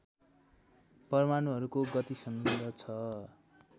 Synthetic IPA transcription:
pʌrmanuɦʌɾukoɡʌt̪isʌŋɡʌd̪ʱʌt͡sʰʌ

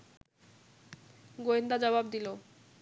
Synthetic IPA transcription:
ɡoend̪ad͡ʑɔbab̚d̪ilo

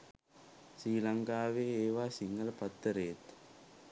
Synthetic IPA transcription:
siːlɐŋɡaːʋeːeːʋaːsɪŋɡɐlpɐt̪ːɐɾeːt̪

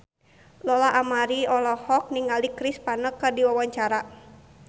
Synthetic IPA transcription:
lɔlaʔamaɾiɔlɔhɔk̚niŋalikɾispanəkərdiwawaɲt͡ʃaɾa

